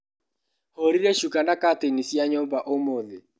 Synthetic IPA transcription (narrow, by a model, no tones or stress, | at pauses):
hoɾiɾɛʃukanakatenisjaɲɔmbaʔomoðe